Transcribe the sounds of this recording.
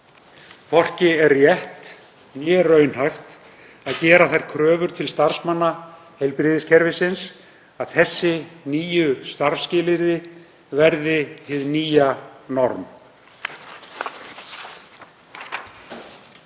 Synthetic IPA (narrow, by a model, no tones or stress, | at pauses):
pʰɔr̥cɪɛɾːjɛht̪ | mjɛːrœːɥnhajxt̪ | aðcɛːɾaθajɾ̥kʰɾœːvʏɾ̥t̪ʰɪlst̪aɾ̥smanːa | hɛjlpɾɪːðɪscʰɛɾvɪsɪns | aðθɛsːɪniːjʏst̪aɾscɪːlɪɾðɪ | vɛɾðɪhɪðniːjanɔɾm